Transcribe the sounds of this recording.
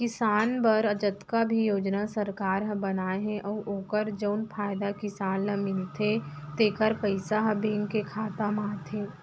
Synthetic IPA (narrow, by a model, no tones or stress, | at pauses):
kɪsaːnbəɾəd͡ʒət̪kabʱijoːd͡ʒnasəɾkaːɾɦə̃bənaːeɦɛ̃ʔɔːʔoːkəɾd͡ʒəʊnpʰaːjd̪akɪsaːnlamɪnt̪ʰet̪eːkəɾpəɪsaɦɐbẽːŋɡkekʰaːt̪amaːt̪ɦeː